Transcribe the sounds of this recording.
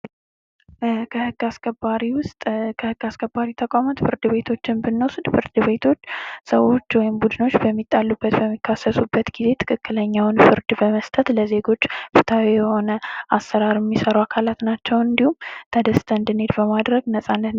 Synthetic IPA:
kʰəhɨɡ̥ːaskʰəbaɾiwʊst̪ʼkʰəhɨɡ̥ːaskʰəbaɾit̪ʰəkʼamat̪fɨɾd̪ɨβe̞t̪ʰo̞t͡ʃːɪnbɨnːəsd̪fɨɾd̪ɨβe̞t̪ʰo̞t͡ʃːsəwo̞t͡ʃːwɔjɪmbud̪ɨno̞t͡ʃːbəmːit̪ʼːalːubːət̪bəmːikʰːasəsubːət̪ɡize̞t̪ʰɨ̥kʰɨkːɨləɲːawnfɨɾd̪bəməst̪ʰʼət̪ləze̞ɡo̞t͡ʃːfɨt̪ʰawijɛho̞nəʔasːəɾaɾɛmːisəɾuakʰalat̪nat͡ʃːɛwɨnd̪ihumt̪ʰəd̪əst̪ʰənd̪ɨne̞d̪bəmad̪ɾəɡnəsʼanːət̪

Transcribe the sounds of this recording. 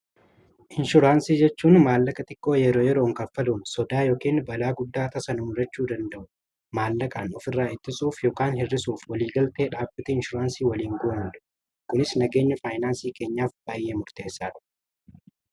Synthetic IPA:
ʔɪnʃʊɾaːnsiːd͡ʒɛt͡ʃːuːnmaːlːɐkʼɐt̪ɪkːo̞ːjɛɾo̞ːjɛɾo̞ːŋkɐfɐluːnsɔd̪aːjoːkiːnbɐlaːɡʊd̪ːaːt̪ɐsɐnʊmʊɾɐt͡ʃːuːd̪ɐnd̪ɐʔʊ | maːlːɐkʼaːnɔfɪrːaːɪt̪ːɪsuːfjoːkaːnhɪrːɪsuːfwɐliːɡɐlt̪e̞ːᶑaːbːɪt̪ɛɪnʃʊɾaːnsiːwɐliːŋɡoːmʊᶑ̪ʊ̥ | kʊnɪsnɐɡe̞ːɲːɐfaːjnaːnsiːke̞ːɲːaːfb̥aːjʔe̞ːmʊɾt̪e̞ːsːaːᶑɐ̥

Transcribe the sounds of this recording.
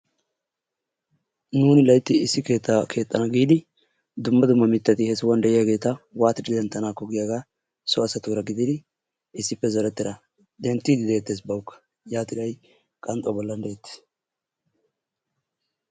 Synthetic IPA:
nuːnɪlɐjt̪ːɪɪsːɪke̞ːt̪ːakʰe̞ːt̪ʼːɐnɐɡiːd̪ɪ | d̪ʊmːɐd̪ʊmːɐmɪt̪ːɐt̪ɪhɛsɪwand̪ɛʔɪjaɡe̞ːt̪ɐwaːt̪ɪd͡ʒɪd̪ɛnt̪ːɐnaːkːɔɡɪjaɡaː | sɔɐsɐt̪uɾɐɡɪd̪ɪd̪ɪ | ɪsːɪpːɛzɐɾɛt̪ːɪd̪ɐ | d̪ɛnt̪ːid̪ɪd̪eːt̪ːeːsbɐwʊkːɐ̥ | jaːt̪ɪlɐj | kʼɐnt̪ʼɔbɔlːɐnd̪ɛjɛt̪ːɪ̥s

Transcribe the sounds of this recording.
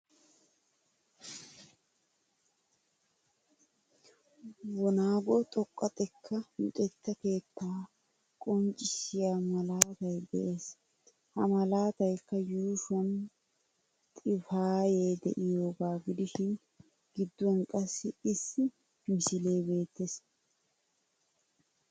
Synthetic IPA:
wɔnaːɡɔt̪ʼɔkʼːɐt̪ʼɛkʰːɐjʊ̰t̪ʼɛt̪ːɐke̞ːt̪ːaː | kʼɔnt͡ʃʼːɪʃɪjamɐlaːt̪ɐjd̪ɛ̰ʔe̞ːs | hɐmɐlaːt̪ɐjkːɐjuːʃɔn | t̪ʼɪfaːje̞ːd̪ɛʔɪjo̞ːɡaːɡɪd̪ɪʃɪn | ɡ̥ɪd̪ːɔnkʼɐsːɪɪsːɪ | mɪsɪle̞ːbe̞ːt̪ːes

